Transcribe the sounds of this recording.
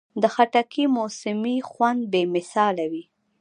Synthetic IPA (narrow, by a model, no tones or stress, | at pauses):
d̪əxaʈakʰimosɪmixwand̪̚bemɪsɑlawi